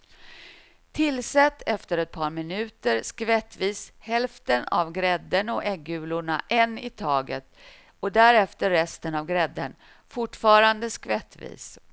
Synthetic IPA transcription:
t̪ʰɪlːsɛt̪ːɛft̪əɾɛt̪̚pʰɑːɾmɪnʉ̟ːt̪əɾskvɛt̪ːviːshɛlft̪əna̰vɡɾɛd̪ːəɳɔʔɛɡːʉ̟ːlʊɳa̰ʔɛnːɪt̪ʰɑːɡə̰t̪ | ɔd̪æɾɛft̪əɾːɛst̪ənavɡɾɛd̪ːən | fʊʈfɑːɾand̪əskvɛt̪ːvḭːs

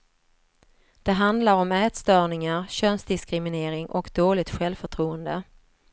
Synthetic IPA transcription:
d̪̥ɛɦand̪laɾɔmɛːt̪st̪œːɳɪŋaɾɕœnsd̪ɪskɾɪmɪneːɾɪŋʔɔkd̪oːlɪt̪ɧɛlvfœʈʰɾuːənd̪ə

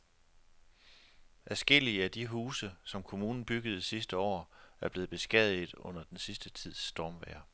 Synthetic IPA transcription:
ʔæsɡ̥e̝l̰iəæd̥iɦuːsəsɒ̽mkʰo̝muːnn̩b̥yɡ̥əð̞̩ˠisisd̥əɒ̰ːæɐb̥le̝ːð̩ˠb̥e̝sɡ̥ɛð̰ˠið̩ˠɔ̽n̰ɐd̥ensisd̥ət͡sʰið̞̰ˠsːd̥ɒːmʋɛ̰ɐ

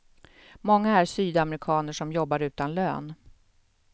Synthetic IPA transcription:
mɔŋːaæsyːd̪amɾɪkʰɑːnəʂɔmjɔbːaɾʉ̟ːt̪anlø̰ːn

